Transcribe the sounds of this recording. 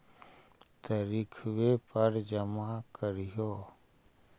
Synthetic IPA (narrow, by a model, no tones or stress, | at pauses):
t̪əɾikʰʋepəɾd͡ʒəmakəɾjoː